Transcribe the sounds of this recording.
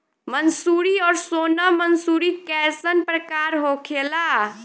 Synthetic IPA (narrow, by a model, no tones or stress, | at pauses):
mənsuːɾiɔːɾsoːnəmənsuːɾikɛːsənpɾəkaːɾɦoːkʰeːlaː